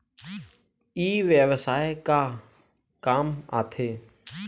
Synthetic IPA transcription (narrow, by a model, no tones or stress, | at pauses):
iːʋjəʋsaːekaː | kaːma̰ːt̪ʰeː